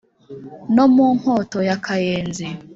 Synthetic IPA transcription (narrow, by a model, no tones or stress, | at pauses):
nomuːŋ̥ɔtojakajeːnzi